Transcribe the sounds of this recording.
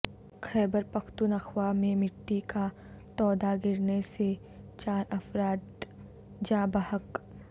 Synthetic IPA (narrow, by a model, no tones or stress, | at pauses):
xʰɛːbəɾpɐkʰt̪unɐxwamẽmɪʈːika | t̪ɔːd̪aɡɪɾnese | t͡ʃaːɾɐfɾaːt̪ | d͡ʒaːbəhək